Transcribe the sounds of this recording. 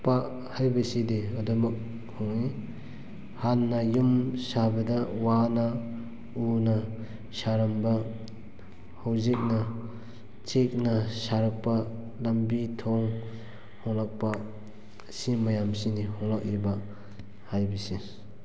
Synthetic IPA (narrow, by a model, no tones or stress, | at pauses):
pa | hajbisideɔdɔmɐk̚ | hɔŋi | hanːajumsabɐdawana | una | saɾamba | hawzik̚na | t͡ʃek̚nasaɾak̚pa | lambitʰɔŋ | hɔŋlak̚pa | simajamsinihɔŋlak̚iba | hajbisi